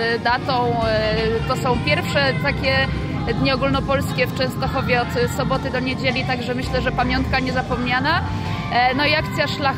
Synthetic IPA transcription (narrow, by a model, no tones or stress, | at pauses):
d̪at̪ɔ̃w̃t̪ɔsɔ̃w̃pʲjɛɾfʂɛt̪akʲɛ | d̪ɲiɔɡulnɔpɔlskʲɛft͡ʂɛ̃w̃st̪ɔxɔvʲjɛɔt̪sɔbɔt̪ɘd̪ɔɲed͡ʑelʲit̪aɡʐɛmɘɕlɛʐɛpamʲjɔnt̪̚kaɲɛzapɔmɲana | nɔiakt̪sʲjaʂlax